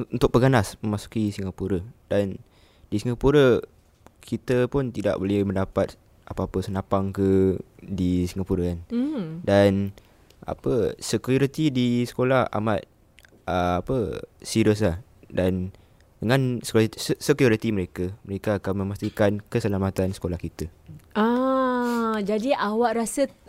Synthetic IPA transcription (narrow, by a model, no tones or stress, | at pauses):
unt̪ʊk̚pəɡanasməmasu̥kisiŋapuɾədan | disiŋɡapuɾə | kʰit̪əpʊnt̪ida̰ʔbolɛhmə̃ndapat̪̚ | ʔapaapəsənapaŋkədisiŋapuɾəkandan | a̰pəsəkuɾit̪idisə̥kolaha̰mat̪̚ | ʔəapəsiɾəs̬lah | dan | dəŋãnsə̥ksəkjuɾit̪iməɾekaməɾekaːkanmə̃mast̪ikankəsəlamat̪ansə̥kolahkit̪əa | d͡ʒadiʔawaʔɾasə